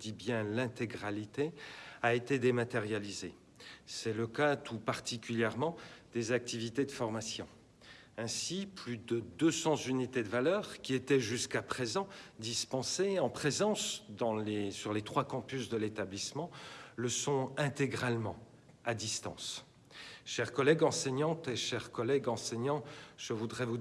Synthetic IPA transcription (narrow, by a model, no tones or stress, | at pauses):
d̪ibjɛ̃lɛ̃t̪eɡʁalit̪eaet̪ed̪emat̪eʁjalize | sɛləkat̪ʰupaʁt̪ikʲyljɛʁmɑ̃d̪ezak̚t̪ivit̪ed̪əfɔʁmasjɔ̰̃ | ɛ̃siplyd̪əd̪øsɑ̃zynit̪ed̪əvalœʁkʲiet̪ɛʒyskapχezɑ̃d̪ispɑ̃seɑ̃pχezɑ̃sd̪ɑ̃lesyʁlet̪χwakɑ̃pysd̪əlet̪ablismɑ̃ləsɔ̃ɛ̃t̪eɡʁalmɑ̰̃ | ad̪ist̪ɑ̰̃s | ʃɛʁkɔlɛɡɑ̃seɲɑ̃t̪eʃɛʁkɔlɛɡɑ̃sɛɲɑ̃ʒ̥əvud̪ʁɛvu